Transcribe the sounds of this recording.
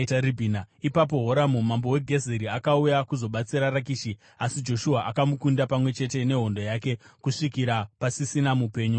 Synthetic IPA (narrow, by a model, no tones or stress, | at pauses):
taribʱinaipap̬o̞ɦo̞ɾamumambo̞we̞ɡʱe̞zeɾiakaujakuzo̞ɓat͡siɾarakiːʃi | asid͡ʒo̞ʃuɦaʔakamukundapamwe̞t͡ʃe̞te̞ne̞ɦo̞ndo̞jake̞kuʂikiɾapasisinamupe̞ːɲu